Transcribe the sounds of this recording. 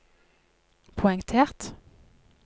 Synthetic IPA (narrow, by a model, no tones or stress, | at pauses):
pʰʊɛŋt̪ʰeːʁt̪